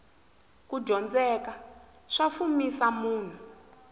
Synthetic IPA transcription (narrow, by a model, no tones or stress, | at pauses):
kuɟʱɔnd͡zɛka | ʂafumisamuːn̤u